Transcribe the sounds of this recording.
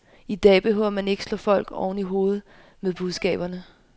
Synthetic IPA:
id̥ɛ̰ːb̥e̝ɦø̰ɐmæne̝ɡ̥əslɔ̰̽ːfɒ̽l̰ɡ̥ɒ̰ʊn̩iɦo̝ːð̩ˠ | meðˠb̥uð̞ˠsɡ̥ɛ̰ːb̥ɐnə

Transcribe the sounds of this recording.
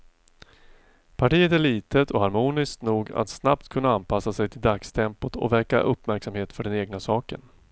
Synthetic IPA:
pʰaʈiːət̪æɭiːt̪ət̪ʰɔhaɾmuːnɪskt̪nuːɡa̰t̪snap̚t̪kʰɵnːaanpʰasːasɛjt̪ʰɪld̪akst̪ʰɛmpʊt̪ʰɔ̰vɛɾka̰ʔɵpːmæɾksamheːt̪fœɖɛneːɡnasɑːkə̰n

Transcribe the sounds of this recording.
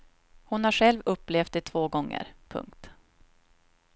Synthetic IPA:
hʊnhaɧɛlvɵpːleːft̪̚d̪ɛt̪ʰvoːɡɔŋːə̰ɾpʰɵ̰ŋk̚t̪

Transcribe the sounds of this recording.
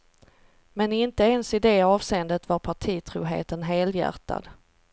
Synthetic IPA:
mɛnɪnt̪əɛnsɪd̪eːɑːvseːənd̪ət̪vaɾpʰaʈʰiːt̪ʰɾuːɦḛːt̪ənɦeːljæ̰ɾt̪ʰa̰d̪

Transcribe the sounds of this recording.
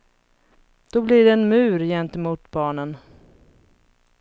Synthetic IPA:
d̪̥ɔblɪɖɛːnmʉ̟ːɾjɛnt̪əmuːt̪bɑːɳən

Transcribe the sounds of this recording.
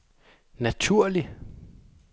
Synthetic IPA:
næt͡sʰuɐ̰li

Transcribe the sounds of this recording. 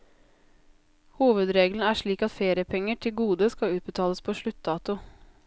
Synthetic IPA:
huːʋəd̪ɾeːɡln̩æːʂɭiːkɑt̪feːɾɪəpʰɛŋːəʈʰɪlɡuːd̪əskɑʉːt̪̚bət̪ʰɑːləspʰoːʂɭʉt̪̚d̪ɑːt̪ʊ

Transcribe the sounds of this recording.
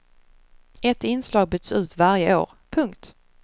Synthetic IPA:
ɛt̪ɪnslɑːɡ̚bʏd̪sʉ̟ːt̪vaɾjəʔo̰ːɾ | pʰɵŋkt̪

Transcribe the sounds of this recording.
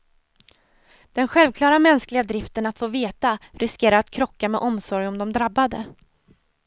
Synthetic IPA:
d̪̥ɛnɧɛlvkʰlɑːɾamɛnsklɪɡad̪ɾɪft̪ənat̪foːveːt̪aɾɪskeːɾaɾat̪kʰɾɔkːamɛʔɔmsɔɾjɔmd̪ɔmd̪ɾabːad̪ə

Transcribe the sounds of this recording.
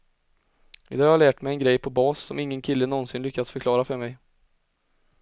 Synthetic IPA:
ɪd̪ɑːjɑhaɭæːʈmɛjɛnɡɾɛjpʰɔbɑːsːɔmɪŋːənkʰɪlːənɔnsɪnlʏkːat̪sfœɾkʰlɑːɾafœɾmɛj

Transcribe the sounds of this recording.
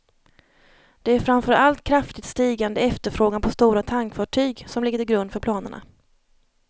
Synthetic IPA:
d̪̥ɛæɾfɾanfœɾʔalt̪kʰɾaft̪ɪt̪st̪iːɡand̪əɛft̪əɾfɾoːɡanpʰɔst̪uːɾat̪ʰaŋkfɑːʈʰyːɡsɔmlɪɡːəɾɪɡɾɵnd̪fœɾpʰlɑːnəɳa̰

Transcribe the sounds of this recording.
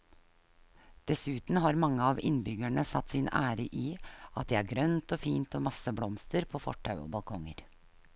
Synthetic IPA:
d̪̥ɛsʉːt̪n̩ɦɑɾmɑŋːəɑʋɪ̰nbʏɡæɳəsɑt̪ːsɪnæ̰ːɾəʔiːʔɑt̪̚d̪ɛːæːɾɡɾœnt̪oːfiːnt̪oːmɑsəblɔmst̪əɾpʰoːfɔ̰ʈʰːɑʉo̰ːbɑlkʰɔŋə̰ɾ

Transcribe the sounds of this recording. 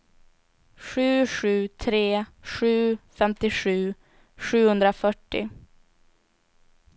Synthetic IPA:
ɧʉ̟ːʂʉ̟ːt̪ʰɾeːʂʉ̟ːfɛmt̪ɪɧʉ̟ː | ɧʉ̟ːhɵnd̪ɾafœʈːɪ̰

